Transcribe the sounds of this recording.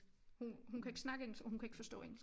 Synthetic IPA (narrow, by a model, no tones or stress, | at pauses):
hunɦunkʰæe̝ɡ̥snɑ̈ɡ̥əeŋ̩ɒ̽hunkʰæe̝ɡ̥fɒ̽sd̥ɔ̰̽ːḛŋ̩